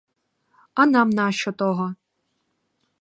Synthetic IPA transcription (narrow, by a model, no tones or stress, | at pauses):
ɐnamnaʃt͡ʃɔt̪ɔɦɔ